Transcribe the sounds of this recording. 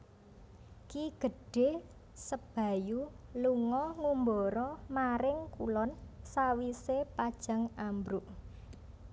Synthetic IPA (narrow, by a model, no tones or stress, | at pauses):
kiɡ̥ə̤ɖ̥e̤ | səb̥a̤juluŋɔŋumbɔɾɔmaɾɪŋkulɔnsawisepad̥ʒ̥ä̤ŋambɾuʔ